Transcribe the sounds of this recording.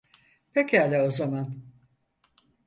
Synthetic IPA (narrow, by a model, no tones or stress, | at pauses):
pʰecæːlʲɛozaman